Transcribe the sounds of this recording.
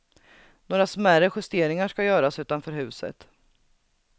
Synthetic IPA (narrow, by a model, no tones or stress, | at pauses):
noːɾasmæɾəɧɵst̪eːɾɪŋaʂkajœːɾasʉ̟ːt̪anfœːɾɦʉ̟ːsə̰t̪